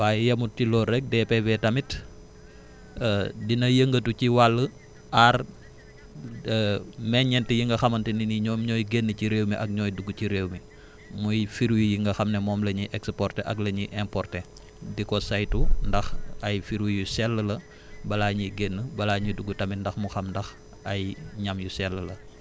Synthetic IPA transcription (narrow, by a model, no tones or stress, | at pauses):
waːjjɐmutːilɔɾɛk̚depebetɐmit | dinɐjəŋɡətuciwalːə | ar | mɛɲɲɛntijiŋɡɐxɐmɐntininiɲɔmɲɔːjɡenːəciɾeːwmiʔɐk̚ɲɔːjduɡuciɾewmi | mujfiɾwijiŋɡɐxɐmnɛmɔːmlɐɲiʔɛkspɔrtɛʔɐklɐɲiʔɛmpɔrtɛ | dikɔsajtundɐxɐjfiɾwijusɛlːəlɐ | bɐlaɲiɡenːəbɐlaːɲiduɡːutɐmindɐxmuxɐmndɐx | ɐjɲɐmjusɛlːəlɐ